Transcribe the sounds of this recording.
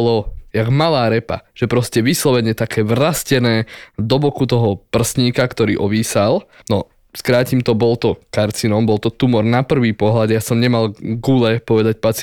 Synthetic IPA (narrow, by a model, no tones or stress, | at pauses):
lɔjaɡmalaːɾɛpa̰ʒ̥ɛpɾɔscɛʋislɔʋɛɲɛt̪akʰɛːʋrascɛnɛːd̪ɔbɔkut̪ɔɦɔpr̩sɲiːkakt̪ɔɾiːʔɔʋiːsalnɔ | skɾaːcimt̪ɔbɔlt̪ɔkaɾt͡sinɔmbɔlt̪ɔt̪umɔɾnapr̩ʋiːpɔɦlad̪jasɔmɲɛmalɡulɛpɔʋɛd̪ac̚pat͡s